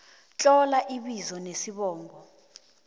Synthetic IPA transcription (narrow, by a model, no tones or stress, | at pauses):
t͡ɬʼɔlaʔiɓizɔnesiɓɔːŋɡɔ